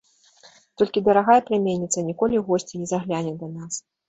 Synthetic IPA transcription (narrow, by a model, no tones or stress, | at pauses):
t̪ɔlʲkʲid̪ɐɾaɣajɛpɾʲamʲenʲːit̪sɐnʲikɔlʲiɣɔsʲt͡sʲinʲɛzaɣlʲanʲɛd̪ɐnas